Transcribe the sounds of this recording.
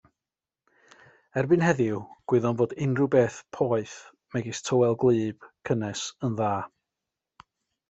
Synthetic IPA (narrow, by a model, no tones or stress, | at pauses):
ɛrbɨnhɛðɪwɡ̥wɪðɔnvoːdɪnrubeːθpʰɔɨθ | mɛɡɪstʰowɛlˠɡlˠɨːb̥kʰənɛsənðaː